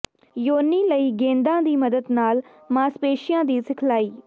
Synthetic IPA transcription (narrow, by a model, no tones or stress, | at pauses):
joːniːləiːɡẽːnd̪ãːd̪iːməd̪əd̪naːl | mãːspeːʃɪjãːd̪iːsɪkʰlaːiː